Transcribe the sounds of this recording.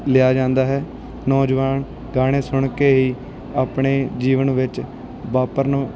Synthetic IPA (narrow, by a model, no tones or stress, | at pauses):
lɪaːd͡ʒãːnd̪aːɦɛː | nɔːd͡ʒʋaːn | ɡaːɽ̃eːsʊɳkeːɦiː | aːpɳeːd͡ʒiːʋənʋɪt͡ʃ | ʋaːpəɾnũː